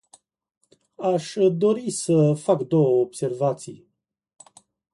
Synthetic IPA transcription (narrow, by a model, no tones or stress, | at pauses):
aʃd̪o̞ɾisəfakd̪o̞wəobse̞rvat̪sij